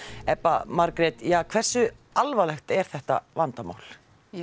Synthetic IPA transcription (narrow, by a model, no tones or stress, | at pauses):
ɛpːamaɾkɾɪt̪jaːkʰv̥ɛr̥sʏ | alvalɛxt̪ɛɾ̥θɛht̪a̰vant̪ama̰ːwl̥